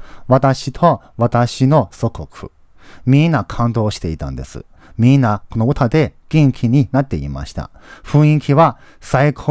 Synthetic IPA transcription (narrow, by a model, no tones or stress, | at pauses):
βat̪aɕit̪ʰo̞ | βat̪aɕino̞so̞kokʰɯ̟̥̰ | mʲĩnːakʰãnd̪o̞ːɕi̥t̪e̞it̪ã̰nd̪e̞̰sɨ̰ | mʲĩnːako̞no̞ɯ̟t̪ad̪e̞ɡ̥ʲẽŋkʲʰiɲ̟inat̪ːe̞ḭma̰ɕi̥t̪a̰ɸɯ̟̃ɰ̃ĩŋkʲiβa | saikʰo